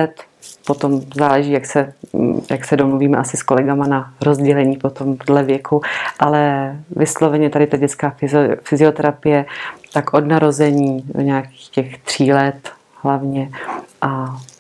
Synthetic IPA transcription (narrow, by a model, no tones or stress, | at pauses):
ɛt̪ | po̞t̪o̞mzaːlɛʒiːjaksɛjaksɛdomluviːmɛʔasɪsko̞lɛɡamanaɾozɟɛlɛɲiːpo̞t̪o̞mdlɛvjɛkʰuʔalɛvɪslo̞vɛɲɛt̪adɪt̪aɟɛt͡skaːfɪzfɪzɪo̞t̪ɛɾapɪjɛt̪akʔo̞dnaɾo̞zɛɲiːdo̰ɲaaki̥ːxcɛxt̪r̝̥iːlɛt̪ | ɦlavɲɛʔa